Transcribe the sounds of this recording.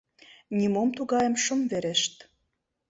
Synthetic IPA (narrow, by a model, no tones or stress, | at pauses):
nʲimomt̪uɣɑjə̆mʃə̆mveɾeʃt̪